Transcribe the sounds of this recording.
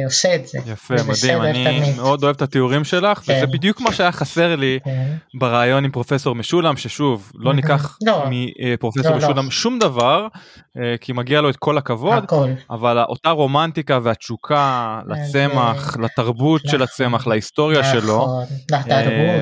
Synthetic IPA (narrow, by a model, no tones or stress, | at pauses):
osetzejafemad̪imanimeo̞d̪o̞evt̪at̪euʁimʃe̞laχvezebid̪jukmaʃeajaχase̞ʁlibeʁaːjo̞nimpʁo̞fe̞so̞ʁmeʃulamʃeʃuvlo̞nikaχmipʁofeso̞meʃulamʃumd̪avaʁekʰimaɡialo̞et̪̚kʰo̞lakavo̞d̪kla̰valaʔo̞t̪aʁo̞mant̪ikaveat͡ʃukʰala̰t͡se̞maχlat̪aʁbut̪ʃe̞lat͡se̞maχlaist̪o̞ʁjaʃe̞lo̞